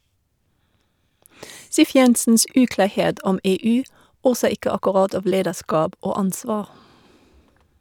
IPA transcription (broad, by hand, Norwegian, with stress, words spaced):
ˈsiːf ˈjɛnsn̩s ˈʉːklɑːˌheːd ˈʔɔm ˈeːˌʉː ˈoːsə ˈɪkə ɑkɔˈʁɑd ˈɑːʋ ˈleːdəˌʃkɑːb ˈʔoː ˈɑnsʋɑː